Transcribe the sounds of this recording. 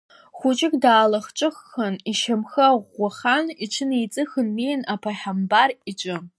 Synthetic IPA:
χʷʊt͡ʃʼɪkʲʼdaːlaχt͡ʃʷʼɨχːaniʃamxaʁʷːaχaniʈ͡ʂʷʰɨnejt͡sʼɨxɨnmejnapʰaħambarit͡ʃʷʼʊ

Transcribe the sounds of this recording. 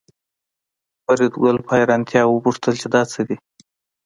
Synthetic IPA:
paɾid̪ɡalpʰɑjɾɑnt̪ʰjɑwəpuʂt̪əlt͡ʃed̪ɑt͡səd̪i

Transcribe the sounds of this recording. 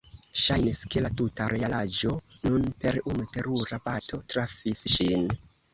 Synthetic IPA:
ʃajniske̞latutaɾʔe̞alad͡ʒo̞nunpe̞ɾunute̞ɾuɾapato̞tɾafisʃin

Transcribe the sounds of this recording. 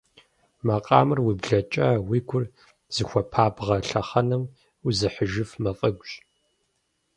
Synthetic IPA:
mɐqʼɑ̰ːmɨrwibɮɐt͡ʃʼɐwiːɡʷʰʊr | z̥ɨxʷɐpʰaːbʁɐɬɐχɐnɨm | uzɨħəʒɨfmɐfʼɐɡʷɕʼ

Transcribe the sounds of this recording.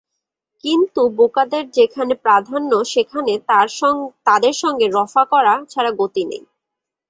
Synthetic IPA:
kint̪ubokad̪eɾd͡ʑekʰanepɾad̪ʱanːoʃekʰane | t̪ad̪eɾʃɔŋɡeɾɔfakɔɾat͡ɕʰaɾaɡot̪inḛj

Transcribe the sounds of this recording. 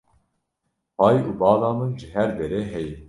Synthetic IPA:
pɑːjuːbɑːlɑːmɨnʒəɦɛɾd̪eɾeːɦɛji

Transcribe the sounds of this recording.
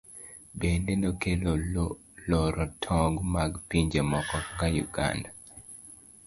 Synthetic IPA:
bendenokelo | lɔɾɔtʰɔɡmaɡpiɲd͡ʒemɔkɔkajṵɡa̰nda

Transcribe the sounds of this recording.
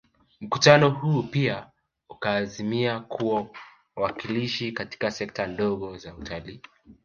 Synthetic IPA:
m̩kutanɔhuːpia | ukaːzimiakʰuwa | wakiliʃikati̥kasɛk̚tandɔɣɔzautʰaliː

